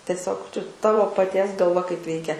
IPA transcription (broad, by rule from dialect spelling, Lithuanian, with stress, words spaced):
tʲɛˈsʲoːk t͡ʃʲɛ ˈtɑːʋoː pɐˈtʲiɛs ɡɐlˠˈʋɐ kɐɪp ˈʋʲɛɪkʲɛ